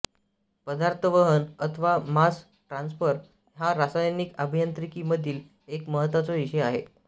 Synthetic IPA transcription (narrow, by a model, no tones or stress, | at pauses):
pəd̪aɾt̪ʰəʋəɦənət̪ʰəʋamas | ʈɾãnsfəɾ | ɦaɾasajnikəbʱijant̪ɾikiməd̪ʱiːl | ekməɦət̪ʋat͡sɔiɕəaɦe